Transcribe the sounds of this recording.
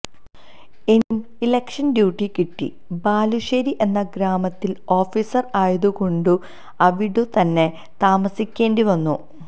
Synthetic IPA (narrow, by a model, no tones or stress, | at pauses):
e̞num | ilekʂɐnɖjuːʈːikiʈːḭ | baːluʂɐɾiʔe̞nːɐɡɾaːmɐt̪ːilo̞ːfisɐraːjɐðuko̞ɳɖu | ɐʋiɽut̪ɐnːe̞ | t̪aːmɐsikʲːe̞ːndiʋɐnːu